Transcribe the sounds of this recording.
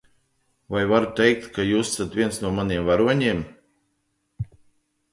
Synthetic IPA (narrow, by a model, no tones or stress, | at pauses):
vajvaɾut̪ɛjk̚t̪kʰajuːsasat̪vʲiɛnsnuɔmaniɛmvaɾuɔɲiɛm